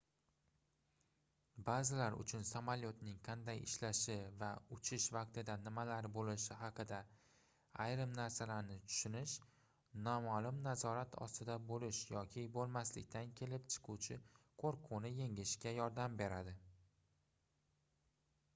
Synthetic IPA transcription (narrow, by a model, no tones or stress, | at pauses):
bazɪlaɾʊ̰t͡ʃʰʊnsamaljot̪nɪŋqʰɑnd̪ajɪʃlaʃɪvaʊt͡ʃʰɪʃvɑqt̪ɪd̪anɪmalaɾbolɪʃɪɦɑqʰɨd̪a | ajɾɪmnaɾsalaɾnɪt̪ʰʊ̥ʃʊnɪʃ | nɒmalɪmnazɒɾat̪ʰɒ̰st̪ɪd̪abolɪʃjɒkʲʰɪbolˠmaslɪ̰kʲt̪ʰankʲʰe̞lɪpt͡ʃʰɪ̥qʰut͡ʃʰɪ | qʰoɾqʰʊnɪje̞ŋɪʃkʲajɒɾd̪ambe̞ɾad̪ɪ